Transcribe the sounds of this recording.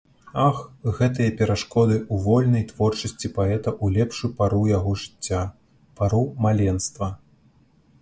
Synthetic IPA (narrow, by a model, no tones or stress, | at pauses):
axɣɛt̪̬ɨjɐpʲɛɾaʂkɔd̪ɨuvɔlʲnɐjt̪v̥ɔrt͡ʂɐsʲt͡sʲipaɛt̪ɐʔulʲɛpʂupaɾujaɣɔʐɨt͡sʲːa | paɾumalʲɛnst̪vɐ